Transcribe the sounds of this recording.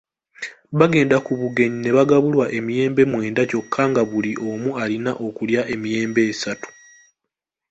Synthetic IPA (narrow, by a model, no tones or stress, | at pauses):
βaɡe̞ːndakuβuɡe̞ɲine̞βaɡaβulwaʔe̞mije̞ːmbe̞mwe̞ːndaco̞kʰːaŋɡaβuliʔo̞mualinaʔo̞kuljaʔe̞mije̞ːmbe̞ːsatu̥